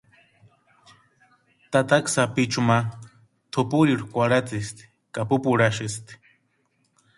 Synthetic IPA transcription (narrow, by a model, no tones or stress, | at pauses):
t̪at̪aksapit͡ʃuma | t̪ʰupuɾiɾukʷaɽat͡sist̪ | kapupuɽaʃist̪i̥